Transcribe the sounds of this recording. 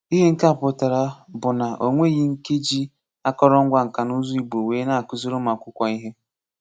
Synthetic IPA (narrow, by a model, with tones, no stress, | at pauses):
i˦ɦe˦ŋ̩˦ka˦˨pʊ˨ta˨ɾa˨bʊ˨na˨ʔo˨ŋʷe˦˨ɣi˦ŋ̩˦ke˦d͡ʒi˦ | a˦kɔ˦ɾɔ˦ŋ̩˦ɡʷa˨ŋ̩˨ka˨nu˦zu˦i˨ɡ͡bo˨weː˨˦na˦a˨kʊ˦zo˦ɾo˦ma˨kʷʊ˦kʷa˨i˦ɦe˦